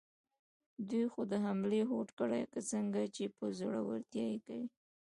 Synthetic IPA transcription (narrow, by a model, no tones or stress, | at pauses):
d̪ujxod̪əɦamleɦoʈkəɽa̰jkat͡səŋɡat͡ʃepəzoɽawa̰ɾt̪jɑjekawi